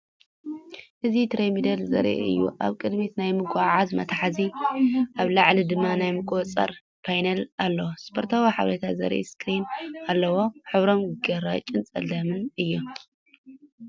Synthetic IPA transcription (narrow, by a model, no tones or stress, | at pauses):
ʔɨzit̪ʰɾemid̪ɐlzɐ̰ɾḛɨ̰jːṵʔa̰βkʼɨd̪mit̪najmɨɡʷaʕazmɐ̰t̪ʰħaziʔaβlaʕlid̪ɨmːanajmɨkʼot͡sʼɐ̰ɾ | pʰajnɐlalːɐwospʰoɾt̪ʰawiħa̰βɾɐt̪ʰazɐ̰ɾʔḛskʰɾinalːɐwo̞ħɨβɾo̞mɡɐɾat͡ʃʼɨnt͡sʼɐ̰lɐmɨnɨjːu